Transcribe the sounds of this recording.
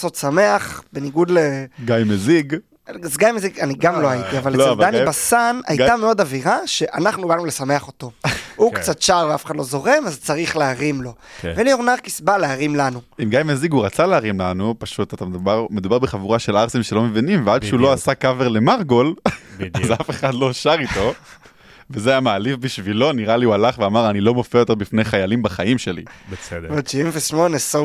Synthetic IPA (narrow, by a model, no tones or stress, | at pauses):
so̞t̪same̞aχbe̞niɡud̪leɡajmeziɡ | zɡajmeziɡaniɡamlo̞ait̪iavaldanibasana̰jameo̞daviʁaʃe̞ʔanaχnubanulesame̞aχo̞to̞ukt͡satʃaʁveafe̥χadlo̞zo̞ʁe̞mazt͡saʁiχleaʁimlo̞velioʁnaʁkisbaleaʁimlanuimɡajmeziɡuʁat͡saleaʁimlanupaʃut̪at̪ambamed̪ubaʁbeχavuʁaʃe̞laʁsimʃelo̞mevinimveadʃeulo̞asakaveʁle̞maʁɡo̞lazafe̞χad̪lo̞ʃaʁit̪o̞ | vezeajamaːlifbiʃvilo̞niʁaliualaχveamaʁanilo̞mofeajote̞ʁbifnejχajalimbaχaimʃe̞lḭbesvat͡ʃiimveʃmoneso